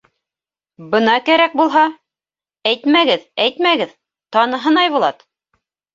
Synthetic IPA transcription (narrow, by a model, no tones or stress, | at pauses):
bɤ̆nɑkæɾæk̚bulˠɦɑ | æjt̪mæɡɘðæjt̪mæɡɘð | t̪ɑnɤ̆ɦɤnɑjβulˠɑt̪